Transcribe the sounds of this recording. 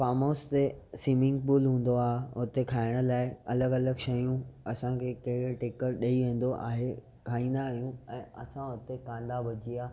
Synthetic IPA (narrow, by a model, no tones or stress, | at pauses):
faːmoːst̪esiːmɪ̃ŋɡ̚puːlɦũːn̆d̪oaːɦɦʊt̪ekʰaːɪɽ̃ə̆laːɪɐləɡɐləɡʃɐjũɐsãkʰeːkɐɦɪɽeʈeːkəɾɗɐiʋẽːn̆d̪oʔa̰ːɦe | kʰaːĩːnd̪aːɦijũɛ̃ːɐ̰sãɦʊt̪ekãːnd̪abɐd͡ʑiaː